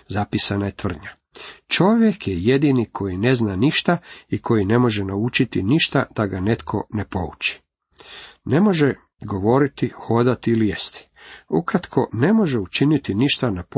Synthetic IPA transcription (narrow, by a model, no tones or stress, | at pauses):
zapisanajet̪ʋr̩d̪ɲa | t͡ʃo̞ʋje̞kjeje̞d̪inikʰo̞jine̞znaniʃt̪aikʰo̞jine̞mo̞ʒenaut͡ʃit̪iniʃt̪ad̪̥aɡane̞t̪kʰo̞̰ne̞po̞̰ut͡ʃi̥ | ne̞mo̞ʒe | ɡo̞ʋo̞ɾit̪ixo̞d̪at̪iilijest̪i̥ukɾat̪kʰo̞ne̞mo̞ʒe̞ut͡ʃinit̪iniʃt̪anap